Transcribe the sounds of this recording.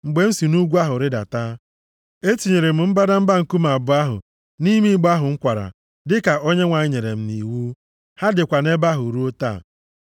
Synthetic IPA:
ŋ͡m̩˨ɡ͡be˨˦n̩˦si˨nu˦ɡʷu˦a˦ɦʊ˨ɾɪ˦da̰˨taː˦ | e˦ti˨ɲe˨ɾe˨m̩˨m̩˦ba˦da˦m̩˦ba˦ŋ̩˨ku˦ma˨bʊ˨˦a˦ɦʊ̰˨ | ni˦mi˦ɡ͡ba˦ɦʊ˨ŋ̩˦kʷa˨ɾa̰˨ | dɪ˦ka˨o˦ɲe˦ŋʷa˨ɲ˦ɲe˨ɾe˨m̩˦ni˨wu˦ | ha˦dɪ˨kʷa˨ne˦ba˦ɦʊ˨ɾu˦o˦ta̰ː˦˨

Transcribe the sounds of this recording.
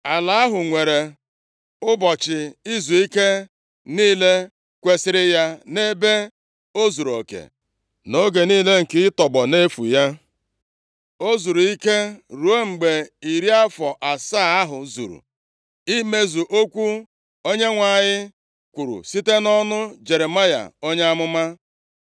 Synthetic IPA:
a˨la˨a˦ɦʊ˨ŋʷe˨ɾe˨ | ʊ˦bɔ˨t͡ʃɪ˨i˦zu˨i˦ke˦ | niː˦le˦ | kʷe˦sɪ˦ɾɪ˦ja˦ne˦be˦ | o˦zu˨ɾo̰˨kḛ˨ | no˦ɡe˨niː˦le˦ŋ̩˨kɪ˦ɪ˦tɔ˨ɡ͡bɔ˨ne˦fṵ˨ja˦ | o˦zu˨ɾu˨i˦ke˦ɾu˨e˦ŋ͡m̩˨ɡ͡be˨i˨ɾi˦a˦fɔ˨ʔa˨saː˦˨a˦ɦʊ˨zṵ˨ɾṵ˨ | i˦me˦zu˨ʔo˦kʷu˦ | o˦ɲe˦ŋʷa˨ɲɪ˦ | kʷu˨ɾṵ˨si˦te˦nɔ˦nʊ˦d͡ʒe˨ɾe˨ma˦ja̰˨o˦ɲe˦a˦mʊ˦ma˦

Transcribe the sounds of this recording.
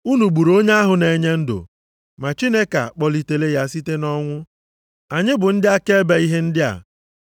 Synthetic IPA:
u˦nu˨ɡ͡bu˨ɾo˦ɲe˦a˦ɦʊ˨ne˨ɲe˦n̩˦dʊ̰˨ | ma˨t͡ʃi˦ne˦ka̰˨k͡pɔ˨li˨te˨le˦ja˦si˦te˦nɔ˦ŋʷʊ˦ | a˨ɲɪ˦bʊ˨n̩˦dɪ˦a˦ke˦be˨i˦ɦe˦n̩˦dɪ˦a̰˨

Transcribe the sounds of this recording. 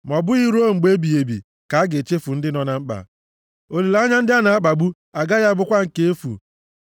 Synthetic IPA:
mɔ˨bʊ˦i˦ɾu˦o˦ŋ͡m̩˨ɡ͡be˦bi˨e˨bḭ˨ | ka˨a˦ɡe˨t͡ʃe˦fu˨n̩˦dɪ˦nɔ˨na˨ŋ͡m̩˦k͡pa̰˨ | o˨le˨lɲa˦n̩˦dɪ˦a˦na˨a˦k͡pa˨ɡ͡bu˦ | a˨ɡa˦ja˦bʊ˦kʷa˦ŋ̩˨ke˦e˦fṵ˨

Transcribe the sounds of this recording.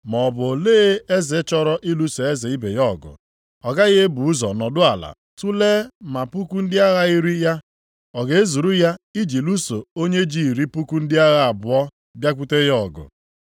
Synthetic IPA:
mɔ˨bʊ˨leː˦e˦zɪ˨˦t͡ʃɔ˦ɾɔ˦ʔi˦lu˦so˨e˦zɪ˨i˦be˨jɔ˦˨ɡʊ̰˨ | ɔ˨ɡa˦ɣɪ˦e˦bu˨u˦zɔ˨nɔ˨dʊ˦a˨la̰˨ | tu˦leː˦ma˨pu˦ku˦n̩˦dɪ˦a˦ɣa˦i˦ɾi˦ja˦ | ɔ˨ɡe˨e˦zu˨ɾu˦ja˦i˦d͡ʒi˨lu˦so˨o˦ɲe˦d͡ʒi˦i˨ɾi˦pu˦ku˦n̩˦dɪ˦a˦ɣa˦a˨bʊ˨ɔ˦ | bja˦kʷu˦te˦jɔ˦˨ɡʊ̰˨

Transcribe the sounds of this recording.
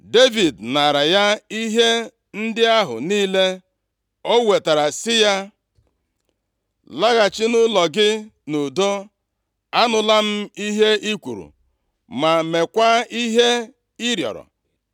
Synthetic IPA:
de˦vi˨dna˨ɾa˨ja˦i˦ɦe˦ | n̩˦dɪ˦a˦ɦʊ̰˨niː˦le˦ | o˦we˨ta˨ɾa˨sɪ˦ja˦ | la˦ɣa˨t͡ʃɪ˦nʊ˦lɔ˨ɡɪ˦no˨do˦ | a˦nʊ˨la˦m̩˦i˦ɦe˦ʔi˦kʷṵ˨ɾṵ˨ | ma˨me˨kʷa˦i˦ɦe˦ | i˦ɾjɔ̰˨ɾɔ̰˨

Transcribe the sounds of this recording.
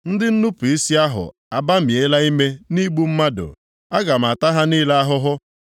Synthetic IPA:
n̩˦dɪ˦n̩˦nu˦pu˨i˦si˦a˦ɦʊ̰˨ | a˨ba˦m̩je˦la˦i˦me˦ni˦ɡ͡bu˦m̩˦ma˦dʊ̰˨ | a˦ɡa˨m̩˨a˨ta˦ɦa˦niː˦la˦a˦ɦʊ˦ɦʊ˦

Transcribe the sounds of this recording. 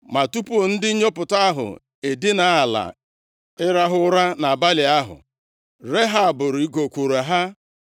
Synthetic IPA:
ma˨tu˦pu˦o˨n̩˦dɪ˦ɲo˦pʊ˨ta˦a˦ɦʊ̰˨ | e˨dɪ˦na˦a˨la̰˨ | ɪ˦ɾa˦ɦʊ˦ʊ˦ɾa˦na˨a˨ba˦lɪ˨a˦ɦʊ̰˨ | ɾe˦ɦa˦a˨bʊ˨ɾi˨i˦ɡo˨kʷo˨ɾa˨ɦa˦

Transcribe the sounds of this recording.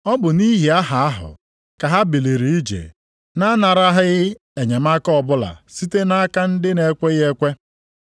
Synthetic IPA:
ɔ˦bʊ˨ni˦ɦi˨a˦ɦa˨a˦ɦʊ̰˨ | ka˨ɦa˦bi˨le˨ɾi˨i˦d͡ʒḛ˨ | na˦na˨ɾa˦ɦɪ˦ɣɪ˦ | e˨ɲe˨ma˦kɔ˦bʊ˦la̰˨si˦te˦na˦ka˦n̩˦dɪ˦ne˨kʷe˦ɣe˦kʷe˦

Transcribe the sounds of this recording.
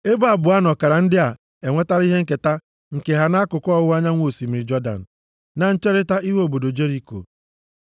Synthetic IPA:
e˦ba˦˨bʊ˨a˦nɔ˨ka˨ɾa˨n̩˦dɪ˦a˨ | e˨ŋʷe˦ta˦ɾi˦ɦe˦ŋ̩˦ke˨ta˦ | ŋ̩˨ke˨ɦa˨na˦a˦kʊ˨kɔ˦wʊ˦a˦ɲa˦ŋʷo˨si˨m̩˨ɾi˨d͡ʒɔ˦da̰˨n̩˨ | na˨n̩˦t͡ʃe˦ɾɪ˦ta˦i˦ɦe˦o˨bo˨do˨d͡ʒe˦ɾi˦˨ko̰˨

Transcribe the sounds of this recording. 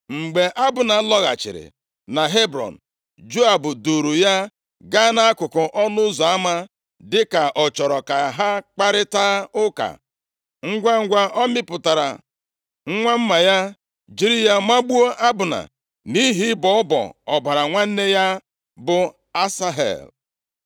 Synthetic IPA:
ŋ͡m̩˨ɡ͡be˨ʔa˦bʊ˨na˨˦lɔ˦ɣa̰˨t͡ʃɪ̰˨ɾɪ̰˨ | na˨ɦe˦bɾɔ̰˨n̩˨ | d͡ʒo˦a˨bʊ˨du˨ɾu˨ja˦ | ɡa˦na˦a˦kʊ˨kʊ˨ʔɔ˦nʊ˦zɔ˨a˦ma˦ | dɪ˦ka˨ʔɔ˨t͡ʃɔ˨ɾɔ˨ka˨ɦa˦k͡pa˦ɾɪ˦taː˦ʊ˦ka̰˨ | ŋ̩˦ɡʷa˦ŋ̩˦ɡʷa˦ʔɔ˦mɪ˦pʊ˨ta˨ɾa̰˨ | ŋ̩˦ŋʷa˦m̩˦ma˨ja˦ | d͡ʒi˨ɾi˦ja˦ma˦ɡ͡bu˦o˦ʔa˦bʊ˨na̰˨ | ni˦ɦi˦bɔ˨ɔ˦bɔ̰˨ɔ˨ba˨ɾa˨ŋʷa˦n̩˦ne˦ja˦ | bʊ˨ | a˦sa˦ɦḛ˨l

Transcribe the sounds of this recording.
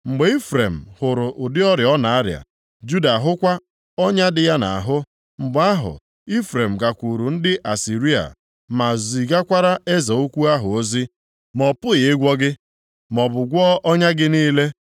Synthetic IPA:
ŋ͡m̩˨ɡ͡be˨˦i˦fɾe˨m̩˨hʊ˨ɾʊ˨ʔʊ˨dɪ˦ɔ˦ɾjɔ˦na˨a˦ɾja̰˨ | d͡ʒu˦da˨ɦʊ˦kʷa˦ | ɔ˦ɲa˦dɪ˨ja˦na̰˨ɦʊ˦ | ŋ͡m̩˨ɡ͡ba˦ɦʊ̰˨ | i˦fɾe˨m̩˨ɡa˨kʷu˨ɾu˨n̩˦dɪ˦ʔa˨si˨ɾi˦a̰˨ | ma˨zi˨ɡa˦kʷa˦ɾa˦e˦za˨o˦kʷu˦a˦ɦʊ˨o˦zi˦ | mɔ˨pʊ˦jɪ˨ɪ˦ɡʷɔ˦ɡɪ˦ | mɔ˨bʊ˨ɡʷɔ˦ʔɔ˦ɲa˦ɡɪ˦niː˦le˦

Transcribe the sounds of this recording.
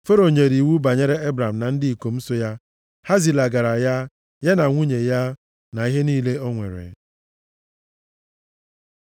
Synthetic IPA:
fe˦ɾo˨ɲe˨ɾi˨wu˦ba˨ɲe˦ɾe˦e˦bɾa˨m̩˨na˨n̩˦dɪ˦i˨ko˨m̩˦so˦ja˦ | ha˦zi˨la˨ɡa˨ɾa˨ja˦ | ja˦na˨ŋʷu˦ɲe˨ja˦ | na˨i˦ɦe˦niː˦le˦o˦ŋʷḛ˨ɾḛ˨

